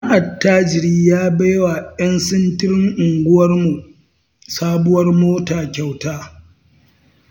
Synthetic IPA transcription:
ʔa˨tːaː˦d͡ʒɪ˨ɾiː˦jaː˦ba˦jwa˨jɐ˦nsɪ˦ntɪ˦ɾɪ˦ŋʔʊ˨ŋɡʷʊ˦wɐ˦rmu˨ | saː˦bʊ˦wɐ˦rmoː˦taː˨kʲa˨wtaː˦

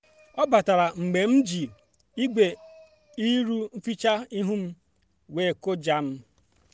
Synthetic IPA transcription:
ɔ˦ba˨ta˨ɾa˨ŋ͡m̩˨ɡ͡be˨m̩˦d͡ʒi˨ | i˦ɡ͡be˨ | i˦ɾu˦m̩˦fi˦t͡ʃa˦i˦ɦu˦m̩˦ | we˦˨ko˦d͡ʒa˦m̩˦

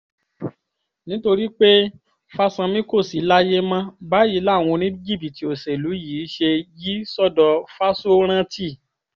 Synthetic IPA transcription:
nĩ˦to˧ɾi˦k͡pe˦ | fa˦sã˧mĩ˦ko˦˨si˨˦la˦je˦mã˦ba˦ji˨˦la˦˨w̃ɔ̃˧nĩ˦i˦d͡ʒi˦˨pi˨ti˨˦o˨se˨lu˨˦jiː˨˦ʃe˧ji˦sɔ˦˨dɔ˧fa˦so˦ɾ̃ã˦tʰi˦˨

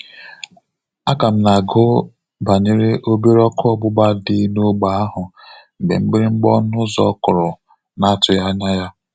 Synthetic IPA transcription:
a˦ka˨m̩˦na˨ɡo˦ | ba˨ɲe˦ɾe˦ʔo˦be˦ɾɔ˦kʊ˦ɔ˦ɡ͡bʊ˦ɡ͡ba˦dɪ˦no˦ɡ͡ba˨a˦ɦʊ˨ | ŋ͡m̩˨ɡ͡bḛ˨mŋ͡m̩˦ɡ͡bɪ˦ɾɪ˦ŋ͡m̩˦ɡ͡bɔ˦nʊ˦zɔ˦kʊ˨ɾʊ˨ | na˦a˦tʊ˨ja˦ɲa˦ja˦

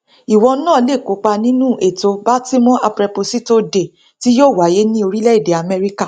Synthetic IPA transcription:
i˨wɔ̃˧˦nãː˦˨˦le˦˨ko˨˦k͡pa˧nĩ˦nũ˦˨ʔe˨to˧ba˦ti˦mɔ̃˦ʔa˧pɾɛ˧po˧si˦to˧de˨ | ti˦joː˦˨wa˨˦je˦nĩ˦o˧ɾi˦lɛ˦i˦˨de˨a˨mɛ˧ɾi˦ka˦˨

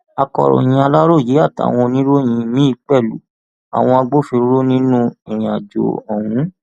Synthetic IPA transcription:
a˨kɔ̰˨ɾɔ̰˨j̃ĩ˧a˧la˦ɾo˦˨ji˨˦a˦˨ta̰˨˦˨w̃ɔ̃˧nĩ˦ɾo˦j̃ĩ˧mĩ˦i˧k͡pɛ˦˨lṵ˨˦ | a̰˨w̃ɔ̃˧a˧ɡ͡bo˦fi˧ɾɾo˦nĩ˦nũ˦i˨j̃a˨d͡ʒo̰˨ɔ˨wũ˨˦

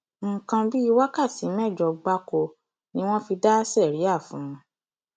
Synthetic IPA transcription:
ŋ̩˨kã˧bi˦i˧wa˦ka˦˨ti˨˦mɛ˦˨d͡ʒɔ˨ɡ͡ba˧ko˧ | nĩ˦w̃ɔ̃˦fi˧da˦sɛ˦˨ɾi˨˦a˦˨fũ˨˦

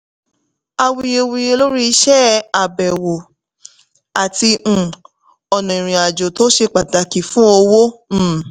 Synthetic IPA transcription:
a˧wi˧e˧wi˧e˧lo˦ɾi˦i˧˦ʃɛ˦a˨bɛ˨wo˨ | a˨tĩ˧˨ | ɔ˨nɔ̃˨ĩ˨ɾ̃ĩ˨a˨d͡ʒo˨to˦ʃe˧k͡pa˨da˨˦ki˨fũ˦o˧wo˦˨

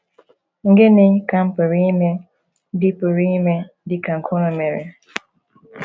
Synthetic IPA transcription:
ŋ̩˦ɡɪ˦nɪ˦ka˦m̩˦pʊ˨ɾi˦me˦ | di˦pʊ˨ɾi˦me˦ | dɪ˦ka˨ŋ̩˨kʰo˦no˨me˨ɾe˨

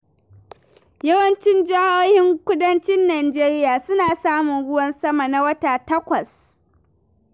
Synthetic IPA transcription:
jɐ˦wɐ˦nt͡ʃɪ˦nd͡ʒa˦hoː˦hɪ˦ŋkʷʊ˦dɐ˦nt͡ʃɪ˦nːaː˨d͡ʒeː˦ɾɪ˦jaː˨sʊ˦naː˨saː˦mʊ˨ŋɽʊ˦wɐ˦nsɐ˦ma˨na˦wɐ˦taː˨tɐ˦kʷɐ˨s

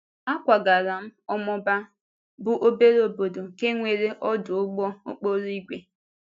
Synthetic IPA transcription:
a˦kʷa˨ɡa˨ɾa˨m̩˦ɔ˦mɔ˦ba˦ | bʊ˦ʔo˦be˦ɾo˨bo˨do˨ke˦ŋʷe˨ɾe˦ʔɔ˦dʊ˨ʊ˦ɡ͡bɔ˦ʊ̰˦k͡po˦ɾi˦ɡʷe˨

